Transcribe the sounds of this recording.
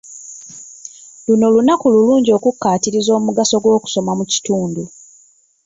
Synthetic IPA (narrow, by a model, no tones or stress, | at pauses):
lunolunakululuːɲɟio̞ːkukːaːtiɾizo̞ːmuɡaso̞ɡwo̞ːku̥so̞mamuci̥tuːndu